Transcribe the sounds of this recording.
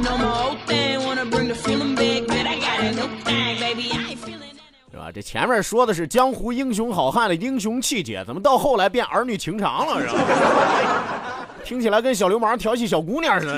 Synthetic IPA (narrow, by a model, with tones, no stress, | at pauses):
noʊmoʊt̪ɪ̃ŋawɑnəbɹɪ̃ŋðɨfilˠɪ̃ŋbɪɡ̚bɨɾaɪɡɑɾɨnoʊt̪ãɪ̃ŋbeɪbi | t̪ḛ˥˧˩a̰˨˩ʈ͡ʂɤ̰˥˩t͡ɕʰjɛ̰˧˥nmjə˞˥˧˩ʂwɔ˥d̪ə˨ʂ̬ɻ̩˥˩t͡ɕjɑ˥ŋxu˧˥i˥ŋɕ̬jʊ˧˥ŋxɑ˨˩ʊxa˥˩nd̪ə˩i˥ŋɕ̬ʊ˧˥ŋt͡ɕʰi˥˩t͡ɕjɛ̰˨˩t͡sa˧˥mə˧nt̪ɑ˥˧ʊxo˥˩ʊla˧˥ɪp̬jɛ˥˩nʔə˞˧˥ny˨˩t͡ɕʰi˧˥ŋʈ͡ʂʰɑ̰˧˥ŋlə˨˧ɻa̰˧˥˧ | t̪ʰi˥ŋt͡ɕʰi˨˩la˧˥ɪkə˥nɕ̬jɑ˨˩ljo˥ʊma˞˧˥t̪ʰjɑ˧˥ʊt͡ɕʰi˥˩ɕ̬jɑ˨˩ʊku˧˥njə˥˩˧